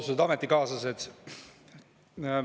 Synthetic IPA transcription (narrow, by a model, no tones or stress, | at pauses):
sued̪ɑmet̪ːikɑːsɑset̪